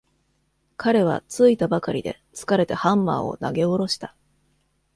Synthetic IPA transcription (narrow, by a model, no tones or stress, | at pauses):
kʰaɾe̞βa̰t͡sɨit̪abakaɾʲid̪e̞̰t͡sɨ̥kaɾe̞t̪e̞hãmːa̰ːo̞̰na̰ɡe̞o̞ɾo̞ɕi̥t̪ḁ